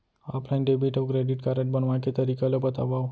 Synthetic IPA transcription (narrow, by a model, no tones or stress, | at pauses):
ɔ̰pʰlajnɖebiʈɔʋkɾeɖiʈkaɾə̃ɳʈ̚bənʋãket̪əɾikelobət̪a̰ʋa